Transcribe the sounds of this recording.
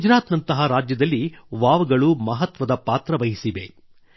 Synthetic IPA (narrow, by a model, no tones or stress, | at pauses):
ud͡ʒɾaːt̪nɐnt̪ɐɦɐɾaːd͡ʒjɐd̪ɐlːiʋaːʋɐɡɐɭumɐɦɐt̪ʋɐd̪ɐpaːt̪ɾɐʋɐɦisiʋe